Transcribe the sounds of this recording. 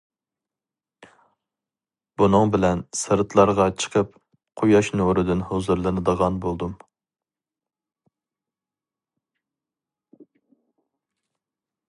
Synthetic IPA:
b̥unɨŋbɪlɛnsɨɾt̪ʰlˠɑɾʁɑt͡ʃʰə̥qʰəp | qʰojɑʃnoɾɨd̪ɪnhozuɾlˠɨnɨd̪əʁɑnbolˠd̪um

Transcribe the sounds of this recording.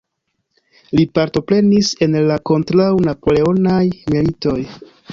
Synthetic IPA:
lipaɾto̞pɾe̞nise̞nlako̞ntɾawnapo̞le̞o̞najmilito̞j

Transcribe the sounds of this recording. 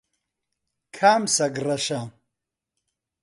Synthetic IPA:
kʰaːmsɐɡrɐʃa

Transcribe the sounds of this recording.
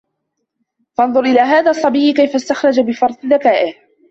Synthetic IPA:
fɑnðˤʊɾʔɪlaːɦaːðaːsˤːɑbiːkajfast̪axɾˤɑd͡ʒabɪfɑɾˤt̪ˤðakaːʔɪh

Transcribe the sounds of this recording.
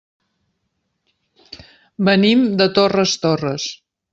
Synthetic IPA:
bənimd̪ət̪orəst̪orəs

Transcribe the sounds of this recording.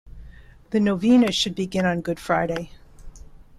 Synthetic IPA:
ðɨnoʊvĩnɨʃɨd̚bɨɡɪ̃nə̃nɡʊd̥fɹaɪɾeɪ

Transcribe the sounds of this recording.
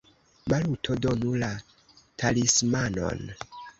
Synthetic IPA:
malutʰodonula | tʰalismano̰n

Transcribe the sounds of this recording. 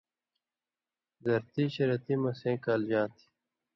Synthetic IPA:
zɐɾt̪iɕɐɾɐt̪imɐsẽːkaːld͡ʑãːt̪ʰi̥

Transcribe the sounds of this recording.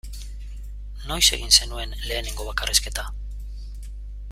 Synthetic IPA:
no̞jse̞ɣinse̞nue̞nle̞ːneŋɡo̞βakarʔeske̞t̪a

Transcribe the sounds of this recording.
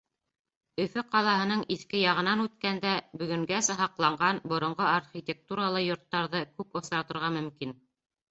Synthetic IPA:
ɵ̆fɵqɑlˠɑɦɤ̆nɤɴiθkɘjɑʁɤ̆nɑnʉt̪kænd̪æbɵ̆ɡɵ̆ŋɡæsæɦɑqlˠɑɴɢɑnbŏɾŏɴɢoarχʲit̪ʲek̚t̪uɾalˠɤjŏɾt̪ːɑɾðɤkʉpŏθɑɾt̪ɤ̆ɾʁɑmɵ̆mkin

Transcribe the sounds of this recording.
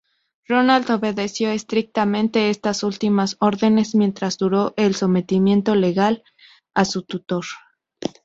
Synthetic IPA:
ro̞nald̪o̞βe̞ðe̞sjo̞e̞st̪ɾik̚t̪amẽ̞nt̪e̞est̪asult̪imaso̞ɾðe̞ne̞zmje̞nt̪ɾazðuɾo̞ʔelso̞me̞t̪imje̞nt̪o̞le̞ɣal | asut̪ut̪o̞ɾ

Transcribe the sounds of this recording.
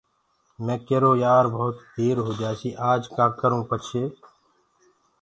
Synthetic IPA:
mɛ̃ːkeɾoːjaːɾbɔɦʊt̪b̪ʱeːɾɦoːd̪jaːsiːʔaːd͡ʒkaːʈkəɾũːpət͡ʃʰeː

